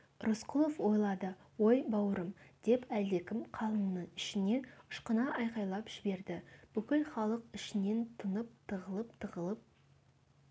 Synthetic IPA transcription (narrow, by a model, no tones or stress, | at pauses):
rʔʊsqʊlˠofwo̞jlˠɑd̪ə | wo̞jbɑwəɾəmd̪̥e̞pæld̪e̞kʲɪmqʰɑlˠəmənəɴɪʃɪne̞ʊ̥ʃqənɑʔɑjqɑjlˠɑpʒ̥ɪbe̞ɾd̪ɪb̥ʏkʲɪlχɑlˠəqɪʃɪne̞nt̪ʰənəp̚t̪ʰəʁəlˠəpt̪ʰəʁəlˠəp̚